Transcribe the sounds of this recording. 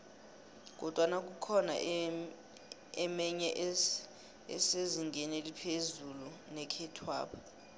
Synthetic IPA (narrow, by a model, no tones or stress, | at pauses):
k̬ɔd̥ʱwanak̬ʼukʰɔna̰ʔ | ɛmɛɲɛʔ | ɛ̰seziŋɡɛnelipʰezulunɛkʰɛtʰwa̰ːpʰɔ̥